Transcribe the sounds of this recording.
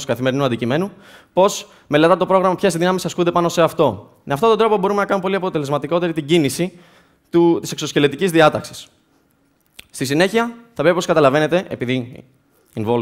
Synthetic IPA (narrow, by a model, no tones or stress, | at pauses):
sukɐθime̞ɾinuɐnd̪icime̞nu | po̞s | me̞let̪ɐt̪o̞pɾo̞ɣɾɐmɐpçe̞sðinɐmisɐskund̪e̞pɐno̞se̞ɐft̪o̞ | meɐft̪oo̞nd̪o̞po̞bo̞ɾumenɐkɐnumepo̞liɐpo̞t̪e̞le̞zmɐt̪iko̞t̪e̞ɾit̪iɟinisi | t̪ut̪isekso̞sce̞let̪icizðiɐt̪ɐksi̥s | st̪isine̞çiɐθɐvɾe̞pipokɐt̪ɐlɐve̞ne̞t̪e̞ʔḛpiði | invol